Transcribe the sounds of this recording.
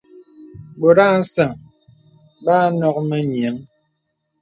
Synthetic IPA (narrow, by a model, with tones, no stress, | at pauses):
bo˨ɾa˦˨n̩˦sa˨ŋ | baː˦nɔ˦k̚mɛ˦ɲ˨e˨˦ŋ